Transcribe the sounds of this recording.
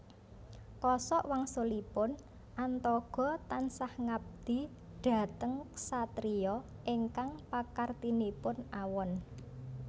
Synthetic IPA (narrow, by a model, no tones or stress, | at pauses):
kɔsɔʔwaŋsolipʊn | ʔant̪ɔɡ̥ɔ̤t̪ansahŋab̚d̪̥i̤ | ɖ̪̥a̤t̪əŋsat̪ɾijɔ | ʔiŋkaŋpakart̪inipʊnʔawɔn